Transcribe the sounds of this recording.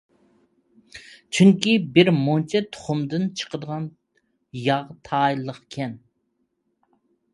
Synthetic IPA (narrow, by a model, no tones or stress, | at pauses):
t͡ʃʰyŋkʲibɪɾmont͡ʃʰɛt̪ʰʊ̥χʊmd̪ɨnt͡ʃʰə̥qəd̪əʁɑn | jɑʁt̪ʰɑːjlˠːəqkʲʰɛn